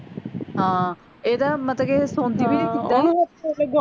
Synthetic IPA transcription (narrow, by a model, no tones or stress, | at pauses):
ɦãː | eːd̪aːmət̪ləkeːsõːnd̪iːbiːniːkit̪ːaːeɡʊ